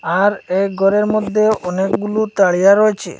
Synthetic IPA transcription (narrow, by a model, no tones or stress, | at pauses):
aɾeɡʱɔɾeɾmɔd̪ʱːeɔnekɡulut̪aɭijaɾɔet͡ʃʰḛ